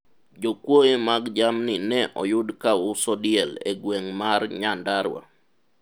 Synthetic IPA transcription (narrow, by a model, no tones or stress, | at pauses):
d͡ʒokwoemaɡd͡ʒamnɪnɛʔɔ̰jʊdkaʊsɔdjɛlḛɡweŋmarɲandaɾwa̰